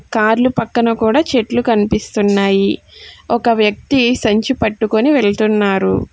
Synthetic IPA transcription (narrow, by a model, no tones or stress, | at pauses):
kaːɾlupɐkːɐnɐkuːɽaːt͡ʃeʈlukɐnipist̪unːaːji | ɔkɐʋjɐk̚t̪isɐɲt͡ʃipɐʈːukoniʋeɭt̪unːaːɾu